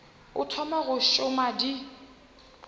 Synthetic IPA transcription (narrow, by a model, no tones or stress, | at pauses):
ʊtʰɔmaɣʊʃʊmadi